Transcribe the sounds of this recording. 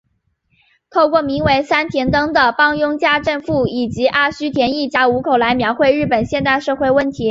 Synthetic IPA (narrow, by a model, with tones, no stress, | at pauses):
t̪ʰo˥˧ʊkwɔ˥˩mi˧˥ŋwe˧˥ɪsa˥nt̪ʰjɛ˧˥nt̪ɤ˥ŋd̪ə˨pɑ˥ŋjʊ˥ŋt͡ɕja˥˧ʈ͡ʂə˥˧nfu˥˩i˨˩t͡ɕi˧˥ʔa˥˩ɕy˥t̪ʰjɛ˧˥ni˥˩t͡ɕja˧˥u˧˥kʰo˨˩ʊla˧˥ɪmjɑ˧˥ʊxwe˥˧ɪɻɻ̩˥˩pə˨˩nɕjɛ˥˧nt̪a˥˧ɪʂɤ˥˧xwe˥˧ɪwə˥˩nt̪ʰi˧˥